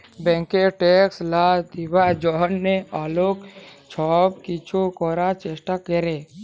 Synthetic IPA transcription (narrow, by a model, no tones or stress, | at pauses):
bɛ̃ːŋkeʈekslad̪ibad͡ʒɔɦənːealoːkt͡ʃʰɔːb̚kit͡ʃʰukɔɾat͡ʃeːsʈakeɾe